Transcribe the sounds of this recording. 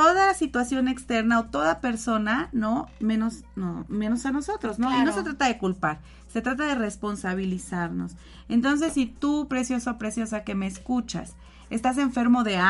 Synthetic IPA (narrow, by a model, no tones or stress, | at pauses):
o̞ðalasit̪wasjo̞ne̞kst̪e̞ɾnaot̪o̞ðape̞ɾso̞nano̞mẽ̞nos | nomeno̞sano̞so̞t̪ɾo̞znoino̞se̞t̪ɾat̪aðe̞kulpaɾ | set̪ɾat̪aðe̞re̞spo̞nsaβ̞ilisaɾno̞̰s | ent̪o̞ns̬e̞sːit̪upɾe̞sjo̞saopɾe̞sjo̞sake̞me̞ːskut͡ʃa̰s | e̞st̪as̬e̞ɱfe̞ɾmo̞ðe̞a